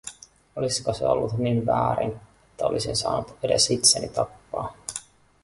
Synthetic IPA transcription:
oliskoseo̞̰lːut̪ninʋæːɾinet̪ːæo̞lʔisinsɑ̰ːnut̪ede̞̰sit̪senḭt̪ɑpːɑː

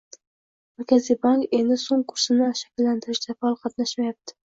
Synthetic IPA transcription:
maɾkʲʰazijbaŋke̞nd̪ɪsoŋkʰʊɾsɪnɪʃḁkʲɪlːant̪ʰɪɾɪʃd̪afaɒlˠqʰɑt̪naʃmajap̚t̪ʰɪ̥

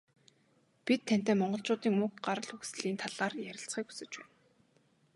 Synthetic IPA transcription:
pit̪ʰːæn̥t̪eːmɔɴɢɞ̆ɮt͡ɕʊːt̪iːŋmɵkɢaɾə̆ɮxuxsɮiːnt̪ʰaɮaːrjæɾʲɪ̆ɬt͡sχiːku̥sɘ̆t͡ɕpæ̰ːn

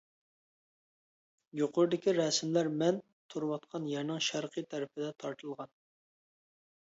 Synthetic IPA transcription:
joqʊɾd̪ɪkʲiɾɛsɪmlæɾmɛn | t̪ʰuɾwɑt̪qʰɑnjɛɾnɪŋʃæɾqʰɨjt̪ʰæɾɪpʰɪd̪ɛt̪ʰɑɾt̪ʰɨlˠʁɑn

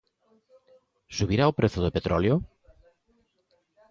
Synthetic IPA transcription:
suβiɾaopɾeθoðepet̪ɾɔljo

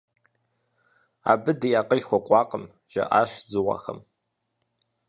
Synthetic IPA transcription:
a̰ːbɨdijaːqəɮxʷɔqʷʼɑːqʼəm | ʒ̥ɐ̰ʔaːɕzɨwa̰xɐm

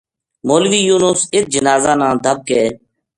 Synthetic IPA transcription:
moːlʋiːjuːnʊsɪt̪̚d͡ʒənaːzaːnãːd̪ʱəb̚keː

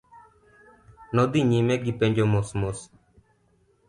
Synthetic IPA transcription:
nod̪iɲimeɡipeɲd͡ʒomosmos

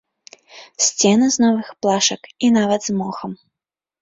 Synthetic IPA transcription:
sʲt͡sʲɛnɨznɔvɨxplˠaʂɐkinavɐd̪zmɔxɐm

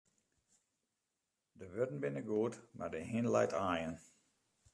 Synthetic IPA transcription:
dəʋødn̩bɪnəɡuətma̰rdəɦinlɛ̰jtʰaːjən

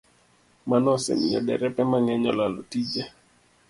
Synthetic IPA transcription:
manɔsɛ̰mijɔdɛ̰ɾɛpɛmaŋɛɲɔlalɔtid͡ʒɛ

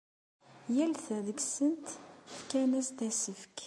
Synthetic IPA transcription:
jælθæðəɡsənt̪fkænæsd̪æsəfk

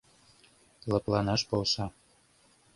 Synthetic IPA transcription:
lˠɤ̆plˠɑnɑʃbolˠʃɑ

